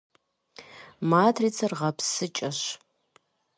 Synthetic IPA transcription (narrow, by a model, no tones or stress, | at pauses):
maːtʰriːt͡sʰɐrʁɐpʰsɨt͡ʃʼɐɕ